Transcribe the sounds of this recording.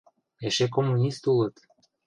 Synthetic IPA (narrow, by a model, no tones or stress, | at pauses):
eʃek̬omːunʲist̪ulət̪